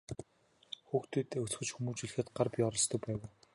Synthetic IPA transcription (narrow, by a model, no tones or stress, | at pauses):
xuːxt̪ʰeːt̪eːɵt͡sxɵ̆t͡ɕxumuːt͡ɕiɮɘ̆xɘ̆t̪ɢarpʲiːɔɾɞ̆ɮst̪ʰɵ̆k̚pæːweː